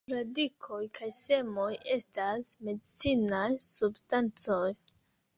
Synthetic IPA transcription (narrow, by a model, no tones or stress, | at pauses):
ɾadikʰo̞jkʰajse̞mo̞je̞stasme̞dit͡sinajsubstant͡so̞j